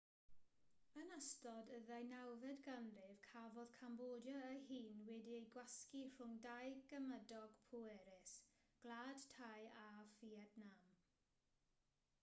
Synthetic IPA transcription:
ənəstɔdəðajnawvɛdɡanrɪvkʰavɔð̥kʰamboːdjɔəhiːnwɛdiejɡwaskir̥ʊŋdajɡəmədɔɡ̥pʰuɛɾɪsɡ̥lˠaːd̥tʰajaviɛdnam

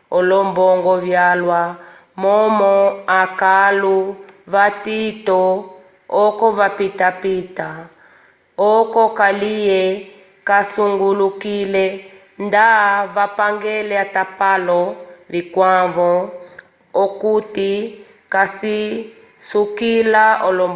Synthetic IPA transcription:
ɔlɔmbɔŋɡɔvjalwa | mɔmɔakaluvatitɔ | ɔkɔvapitapita | ɔkɔkalijɛ | kasuŋɡulukilɛ | ndavapaŋɡɛlɛatapalɔvikwavɔː | kuti | kasi | sukilaɔlɔm

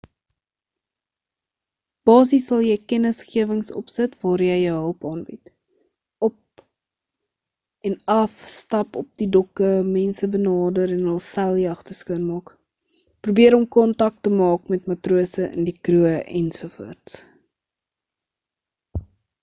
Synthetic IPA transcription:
b̥ɑːs̬isɐlˠjəjkɛnəsχiəvəŋsɔ̰psətvɑːɾjəjəɦəlˠpɑːnbit | ɔp̚ | ɛnɐfstɐpɔp̚didɔkəmɛnsəbənɑːdəɾɛnəlˠsælˠjiɐχtəskuənmɑːk | pruːbiəɾɔmkɔntɐk̚təmɑːkmɛtmɐtruəsəʔə̰ndikruəʔɛ̰nsufṵərts

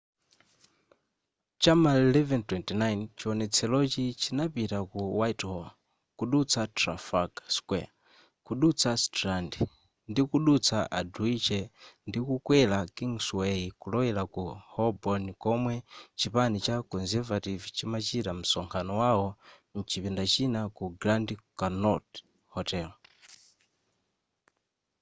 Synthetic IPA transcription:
t͡ʃamalɛvɛntwɛntinajnt͡ʃiɔnɛt͡sʰɛlɔt͡ʃit͡ʃʰinapitakuwaithɔl | kuɗut͡sʰatɾa̰fakḁskwɛa | kuɗut͡sʰastɾandi | ndikuɗut͡sʰaʔaduit͡ʃɛndikukwɛlakiŋswɛikulɔwɛlakuhɔbɔnikɔmwɛt͡ʃipanit͡ʃakɔnzɛvativit͡ʃimat͡ʃiɾam̩sɔŋkʰanɔwaɔ | n̩t͡ʃipindat͡ʃinakuɡɾandikanɔt | hɔtɛːl

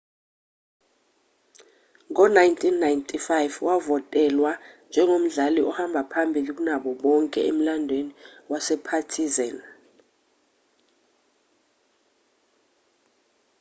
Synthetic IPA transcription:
ŋɔnajntʰʼinːajntʰʼifajvwavɔtʼɛlwand͡ʒʱɛŋom̩ɮaliʔɔhambʱapʰambʱilik̬unaɓɔɓɔŋkʼɛ̰em̩landʱweniwasɛpʰatʰizan

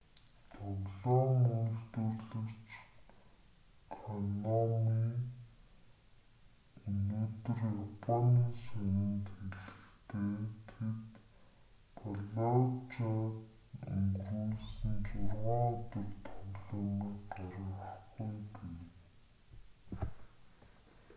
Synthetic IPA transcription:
t̪ʰɔɣɮɔːmujɮt̪ɵrɮɵ̆kt͡ɕ | kʰɔnɔmiː | noːt̪ɵ̆rjapʰɔniːsanɪ̆nt̪xeɮɘ̆kt̪ʰeːt̪ʰet̪ | pʰɔɮɔt͡ɕat̪ | uŋɡuːɮsɘ̆nt͡sʊrʁɔːt̪ə̆kt̪ʰʊɣɮɔːmiːkɢaɾʲɪ̆ŋaχɡujtuj

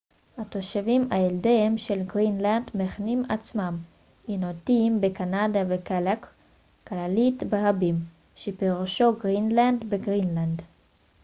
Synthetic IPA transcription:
hat̪oʃavimaeldeemʃelɡʁinland̪meχnimat͡smam | inotimbekanadavekalak | klalitbeʁabim | ʃepeʁuʃoɡʁinlandbeɡʁinland

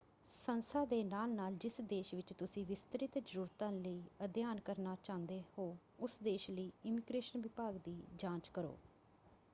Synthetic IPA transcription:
sənsaːd̪eːnaːlnaːld͡ʒɪsd̪eːʃʋɪt͡ʃt̪ʊsĩːʋɪst̪əɾɪt̪d͡ʒəɾuːɾt̪ãːləiːəd̪jaːnkəɾnaːt͡ʃãːnd̪eːhoː | ʊsd̪eːʃləiːɪmiːɡɾeːʃənʋɪpaːɡd̪iːd͡ʒãːt͡ʃkəɾo̰ː

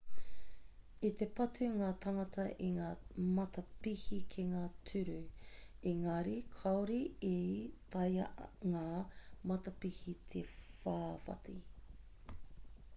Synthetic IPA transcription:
it̪epɐtʰʉŋaːt̪ʰɐŋɐtʰɐʔiŋaːmɐtɐpihikʰeŋaːtʰʉɾʉiŋɐɾikʰɐwɾiit̪ɐjɐʔŋaːmɐt̪ɐpihit̪ʰefaːfɐ̰ti

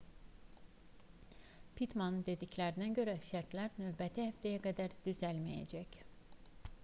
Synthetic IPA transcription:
pʰit̪manɯnd̪e̞d̪iclʲæɾinæɟø̞ɾæʃæɾt̪lʲæɾnøːbæt̪ʰihæft̪ʰæjæɡad̪æɾd̪̥yzælʲmijḛd͡ʒæc

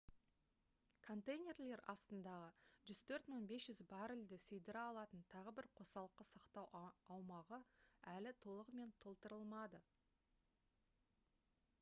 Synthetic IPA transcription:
kʰo̞nt̪ejnʲe̞rle̞ɾɑst̪ənd̪ɑʁəʒʏzt̪ʰɵɾt̪məɴbe̞sʒʏzbɑɾɪld̪ɪsejd̪ɪɾɑlˠɑt̪ənt̪ʰɑʁəbɪɾqʰo̞sɑlˠəqːəsɑqt̪ɑwɑwmɑʁəælɪt̪ʰo̞lˠəʁme̞nt̪ʰo̞lˠt̪əɾəlˠmɑd̪ə

